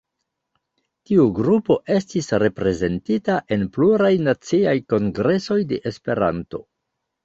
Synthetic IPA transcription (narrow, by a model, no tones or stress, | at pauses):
tiuɡɾupo̞ʔe̞stisɾe̞pɾe̞ze̞ntitaʔe̞npluɾajnat͡siajko̞ŋɡɾe̞so̞jde̞ʔespe̞ɾa̰nto̞̰